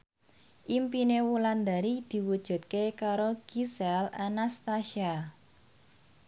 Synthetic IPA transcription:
ʔimpinewuland̪a̤ɾid̪̥i̤wud̥ʒ̥ṳt̪̚kekaɾoɡ̥isɛla̰nast̪aʃia

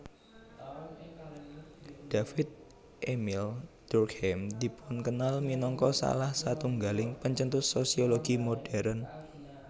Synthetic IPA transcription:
d̥afɪt̪̚ | ʔemɪld̪̥urkhɛmd̪i̤pʊnkənalminɔŋkɔsa̰lahsat̪uŋɡalɪŋpəɲt͡ʃənt̪ʊsosioloɡ̥imoɖ̥ɛɾən

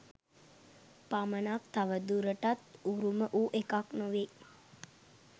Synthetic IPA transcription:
pamənak̚t̪aʋəd̪uɾəʈat̪uɾuməʔuːʔekaknoʋe

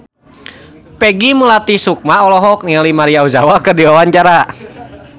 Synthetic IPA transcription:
pɛɡimulat̪isuk̚maɔlɔɦɔk̚nialimaɾiauzawakərdiwawaɲt͡ʃaɾa

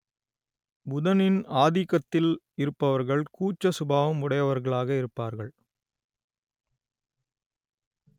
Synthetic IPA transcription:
bʊðɐnɪnaːðɪɣɐt̪ːɪl | ɪɾɯpːɐʋɐɾɣɐɭkuːt͡ʃːɐsʊbaːʋɐmʊɽɐjɐʋɐɾɣɐɭaːɣɐɪɾɯpːaːɾɣɐɭ

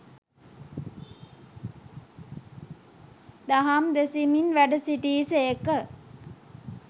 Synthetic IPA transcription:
d̪aɦamd̪esiminʋæɖəsiʈiːsekə

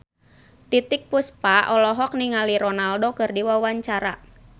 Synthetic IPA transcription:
t̪it̪ɪk̚puspaʔɔlɔɦɔk̚niŋaliɾɔnaldokɨrdiwawaɲt͡ʃaɾa

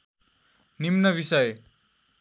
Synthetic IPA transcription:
nimnʌβisʌj

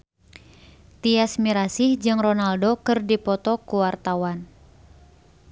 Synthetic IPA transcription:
t̪iasmiɾasihd͡ʒɨŋrɔnaldokɨrdipɔt̪ɔkuwart̪awan

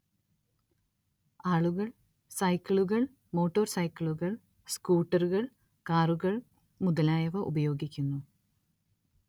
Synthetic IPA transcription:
aːɭuɣɐɭ | sɐjkʲːɐɭuɣɐɭ | mo̞ːʈːoːrsɐjkːɐɭuɣɐɭ | skuːʈːɐruɣɐɭ | kaːruɣɐɭ | muðɐlaːjɐʋɐʔṵbɐjo̞ːɡikʲːunːu

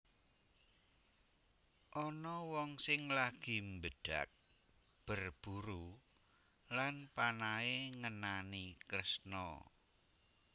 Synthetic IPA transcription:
ʔɔnɔwɔŋsɪŋlaɡ̥i̤mbəɖ̥a̰k̚ | b̥ərb̥uɾu | lanpanaeŋənanikɾəsnɔ̰

